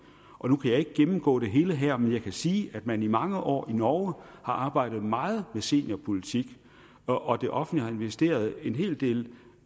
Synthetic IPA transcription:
ʔɒ̽nukʰæjɑ̈e̝ɡ̥əɡ̥emm̩ɡ̥ɔ̰ːɾ̥e̝ɦe̝ːləɦæɐ̰menjɑ̈ɪkʰæsiːæd̥mænimɑ̈ŋəʔɒ̰ːinɒʊhɑ̈ʔɑ̈ːb̥ɑ̈ɪ̰d̥ð̞̩ˠmɑ̈ːð̞̩ˠmese̝̰ːnjɐpʰo̝lit͡sʰiɡ̥ | ɒ̽d̥e̝ʔɒ̽fn̩dlihɑ̈e̝nʋesd̥e̝̰ːɐð̞ˠe̝nɦe̝̰ːld̥e̝̰ːl

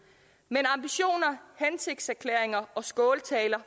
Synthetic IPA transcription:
menɑ̈mb̥iɕo̝̰ːnɐhense̝ɡ̥̚d̥sæɐkʰleɐ̰eŋɐɒ̽sɡ̥ɔːlt͡sʰɛːlɐ

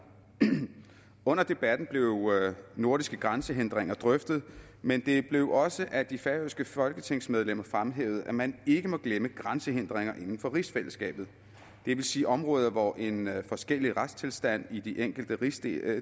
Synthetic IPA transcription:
ɔ̽n̰ɐd̥e̝b̥æd̥n̩b̥le̝ʊno̝ɐɾisɡ̥əɡ̥ʁansəɦend̥ʁeŋɐd̥ʁœfd̥ð̞̩ˠ | mend̥e̝b̥le̝ʊʔɒ̽səʔæd̥ifæsɡ̥əfɒ̽lɡ̥ət͡sʰe̝ŋ̰smeð̞ˠlem̰ɐfʁamɦḛːʊð̞̩ˠæmæne̝ɡ̥əmɒ̽ɡ̥leməɡ̥ʁansəɦen̰d̥ʁeŋ̰ɐʔe̝nn̩fɒ̽ʁisfel̰əsɡ̥ɛ̰ːb̥ð̩ˠ | d̥e̝ʋe̝lsiːʔɒ̽mʁɔ̽ːð̞ˠɐʋɒʔe̝nfɒ̽sɡ̥el̰iʁad̥st͡sʰe̝lsd̥æn̰id̥iʔeŋ̰ɡ̥l̩d̥əis

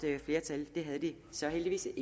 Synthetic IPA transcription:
əfle̝ːɐt͡sʰæld̥e̝ɦæðˠəd̥i | sɒ̽ɦeldiʋḭːs

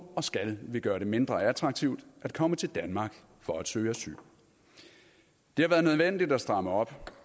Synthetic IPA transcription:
ɒ̽sɡ̥ælʋe̝ɡ̥ɶːɐɾe̝me̝nd̥ʁɐæd̥ʰʁɑ̈ɡ̥̚t͡sʰiʊd̥ʔæd̥̚kʰɒ̽mət͡sʰe̝ld̥ænmɑ̈ːɡ̥ | fɒ̽æd̥søːæsy̰ːl | d̥e̝hɑ̈ʋæːɐðˠnøð̞ˠʋen̰d̥id̥æsd̥ʁɑ̈məɒ̽b̥

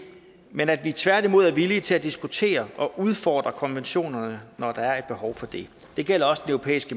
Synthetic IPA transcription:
menæd̥ʋit͡sʰʋæɐd̥imo̝ð̞ˠæɐʋilit͡sʰe̝læd̥isɡ̥ut͡sʰe̝̰ːɐʔɒ̽ʔuð̞ˠfɒːd̥ʁɐkʰɒ̽nʋenɕo̝̰ːnɐnənɒd̥ɑ̈æɐe̝d̥̚b̥e̝hɒʊfɒ̽d̥e̝ | d̥e̝ɡ̥el̰ɐɒ̽sə̥d̥enøʊo̝pʰḛːisɡ̥ə

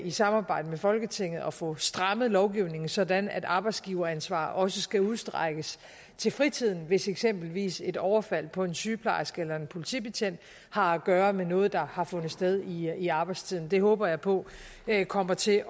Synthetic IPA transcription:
isɑ̈mɑ̈ːb̥ɑ̈ɪ̰d̥əmefɒ̽lɡ̥ət͡sʰe̝ŋ̰ð̞̩ˠɒ̽fɔ̽sd̥ʁɑ̈məð̩ˠlɒʊɡ̥iʊne̝ŋ̩sɒ̽d̥ænæd̥ɑ̈ːb̥ɑɪdsɡ̥iːʊɐænsʋɑ̰̈ːʔɒ̽səsɡ̥æuð̞ˠsd̥ʁaɡ̥əs | t͡sʰe̝lfʁit͡sʰið̞̰ˠn̩ʋe̝seɡ̥sem̰b̥l̩ʋḭːse̝d̥ɒʊɐfæl̰pʰɒ̽e̝nsyːpʰlɑ̰̈ɪ̰sɡ̥elɐe̝npʰo̝lit͡sʰḭːb̥eɕʰen̰d̥ | hɑ̈æɡ̥ɶːɐmenɔ̽ːð̞̩ˠd̥ɑ̈hɑ̈fɔ̽nð̩ˠsd̥eð̞ˠiːɑ̈ːb̥ɑ̈ɪd̥st͡sʰiðˠn̩d̥e̝ɦɔ̽ːb̥ɐjɑ̈ɪpʰɔ̽kʰɒ̽m̰ɐt͡sʰe̝

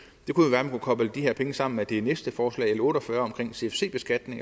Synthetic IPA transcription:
d̥e̝kujoʋæːɐmænkʰukʰɒ̽b̥ləd̥iheɐ̰pʰeŋəsɑ̈m̰n̩med̥e̝nesd̥əfɒːslɛ̰ɪelɔ̽ːɾɒfɶɐɒ̽mkʰʁeŋ̰se̝efse̝̰ːb̥e̝sɡ̥æd̥ne̝ŋ

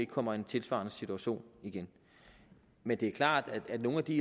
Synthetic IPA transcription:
eɡ̥kʰɒ̽m̰ɐe̝nt͡sʰe̝lsʋɑ̰̈ːnəsit͡sʰuæɕo̝̰ːniɡ̥en | mend̥e̝æɐkʰlɑ̰̈ːd̥æ̥æd̥no̝ːnæd̥i

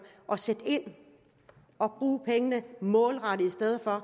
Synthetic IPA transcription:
ʔɒ̽sed̥e̝n̰ | ɒ̽b̥ʁuːpʰeŋənəmɔ̽ːlʁɑ̈ɾəisd̥eð̞ˠfɒ̽

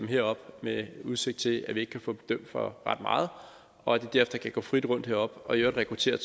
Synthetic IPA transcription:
mɦḛɐɒ̽b̥meuð̞ˠse̝ɡ̥̚t͡sʰe̝æʋieɡ̥kʰæfɔ̰̽ːb̥e̝d̥øm̰d̥fɒ̽ʁɑ̈d̥mɑ̈ːð̞̩ˠ | ɒ̽æd̥e̝d̥æɐefd̥ɐkʰæɡ̥ɔ̰̽ːfʁid̥ʁɔ̽n̰d̥hḛɐ̰ɒ̽b̥ɒ̽øːɐdn̩ʁɛkʰʁut͡sʰe̝̰ːɐ

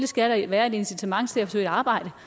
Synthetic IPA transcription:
ləsɡ̥æɾɐʋæːɐe̝de̝nsit͡sʰæmɑ̈ŋ̰t͡sʰe̝æfɒsø̰ɪ̰ɑ̈ːb̥ɑ̈ɪ̰d̥ə

